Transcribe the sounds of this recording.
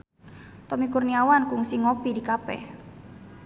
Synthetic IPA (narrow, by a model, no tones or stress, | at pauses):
t̪ɔmikurniawankuŋsiŋopidikapɛ̰